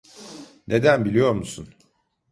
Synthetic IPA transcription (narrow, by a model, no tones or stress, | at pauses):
nʔe̞d̪ænbilʲijo̞ɾmusun